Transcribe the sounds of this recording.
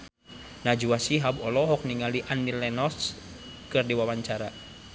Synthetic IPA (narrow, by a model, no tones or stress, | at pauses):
nad͡ʒuwasiɦabɔlɔɦɔk̚niŋaliʔanːilɛnɔs | kɨrdiwawaɲt͡ʃaɾa